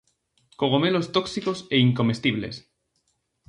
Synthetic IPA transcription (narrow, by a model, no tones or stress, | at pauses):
koɣ̞omelo̞st̪oksikoseiŋko̞mest̪iβlḛs